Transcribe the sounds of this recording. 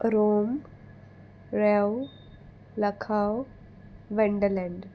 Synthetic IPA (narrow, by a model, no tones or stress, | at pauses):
ɾom | ɾew | ləkʰaw | ʋeɳɖəlɛ̃ɳɖ